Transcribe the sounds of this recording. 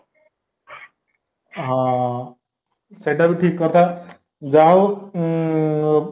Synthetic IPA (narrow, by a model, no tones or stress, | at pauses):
ɦã | seʈabiʈʰiːkːʌɾt̪a | d͡ʒaɦo